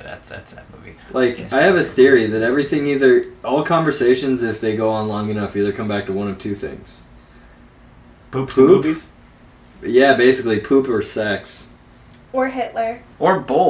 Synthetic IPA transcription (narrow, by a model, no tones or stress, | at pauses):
ðæ̰tsðæ̰tsðɨ̰t̚mṵvḭlʔaɪkaɪɨvɨθɪɹiðɨɾɛvɹiθɪ̃ŋiðə˞ʔɔlˠkʰɑ̃ɱvə˞seɪʃɨ̃nzɪfðeɪɡoʊə̃nlɔ̃ŋɨnʌfiðə˞kʰʌ̃mbæk̚tʰəwʌ̃ñʌv̥tʰʉθɪ̰̃ŋz̥ | pʰu | jæbeɪsɨklipʰupə˞sæks | ə˞ɦɪʔˡlə˞ | ʔə˞bo